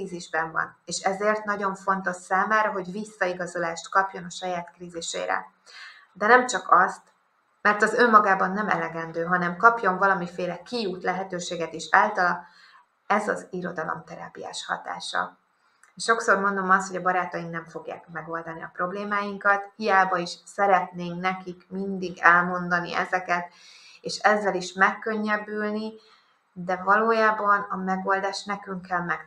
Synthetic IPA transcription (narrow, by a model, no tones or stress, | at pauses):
iːziʒbɛɱvɒ̰neːʃɛzeːrt̪nɒɟo̞ɱfo̞nt̪o̞ʃsaːmaːɾɒɦo̞ɟvisːɒiɡɒzo̞laːʃt̪kɒpjo̞nɒʃɒjaːt̪kriːziʃḛːɾɛ̰ | d̪ɛnɛmt͡ʃɒkɒst̪ | mɛrt̪ɒzø̞mːɒɡaːbɒnːɛmɛ̰lɛɡɛnd̪øːɦɒnɛmkɒpjo̞ɱvɒlɒmifeːlɛkijuːt̪lɛɦɛt̪øːʃeːɡɛt̪iʃaːlt̪ɒlɒ | ɛzɒziɾo̞d̪ɒlo̰mt̪ɛɾa̰ːpija̰ːʃhɒ̰t̪a̰ːʃɒ̰ | eʃʃo̞kso̞rmo̞nd̪o̞mɒst̪ho̞ɟɒbɒɾaːt̪ɒjiŋknɛɱfo̞ɡja̰ːkmɛɡo̞ld̪ɒniɒ̰pro̞bleːmaːjiŋkɒt̪hijaːbɒiʃsɛɾɛt̪neːŋknɛkikmind̪iɡɛlmo̞nd̪ɒnḭʔɛ̰zɛkɛt̪ | eːʃɛzːɛliʃmɛkːø̞ɲːɛbylni | d̪ɛvɒloːjaːbɒnɒmɛɡo̞ld̪aːʃnɛkyŋkːɛlmɛk